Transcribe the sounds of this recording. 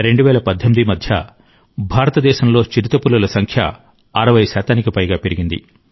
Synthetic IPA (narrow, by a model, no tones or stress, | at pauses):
ɾe̞ɳɖuʋɛːlɐpɐd̪ʱːɐmid̪imɐd̪ʱjɐ̰ | bʱaːɾɐt̪ɐd̪ɛːʃɐmlo̞ːt͡ʃiɾit̪ɐpulːɐlɐsɐŋkʰjɐ̰ | ɐɾɐʋɐjsaːt̪aːnikipɐjɡaːpeɾiɡind̪ḭ